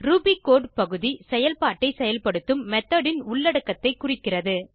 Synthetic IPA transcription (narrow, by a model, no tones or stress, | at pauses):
ɾubikoːɖpɐɣɯðisɛjɐlpaːʈːɐɪsɛjɐlpɐɽɯt̪ːɯmːɛt̪ːɐɖɪnʊɭːɐɽɐkːɐt̪ːɐɪkːʊrɪkːɪrɐðɯ